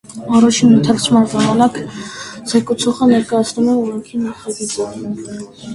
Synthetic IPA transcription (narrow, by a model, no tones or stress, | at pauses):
ɑrɑt͡ʃʰinənt̪ʰɛrt͡sʰmɑnʒɑmɑnɑkzɛkut͡sʰɔχənɛɾkɑjɑt͡sʰnumɛɔɾɛŋkʰinɑχɑɡit͡sə